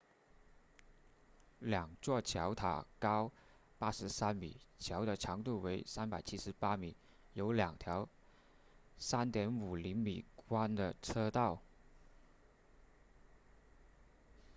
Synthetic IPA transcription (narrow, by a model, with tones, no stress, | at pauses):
ljɑ˨˩ŋt͡swɔ˥˩t͡ɕʰjɑ˧˥ʊt̪ʰa̰˨˩kɑ˥ʊ | pa˥ʂɻ̩˧˥sa˥nmi˨˩˦t͡ɕʰjɑ˧˥ʊd̪ə˧ʈ͡ʂʰɑ˧˥ŋt̪u˥˩we˧˥ɪsa˥npa˨˩ɪt͡ɕʰi˥ʂɻ̩˧˥pa˥mi˨˩˦ | jo˧˥ʊljɑ˨˩ŋt̪ʰjɑ˧˥ʊ | sa˥nt̪jɛ˧˥nu˨˩li˧˥ŋmi˨˩kwa˥nd̪ə˨ʈ͡ʂʰɤ˥t̪ɑ˥˩ʊ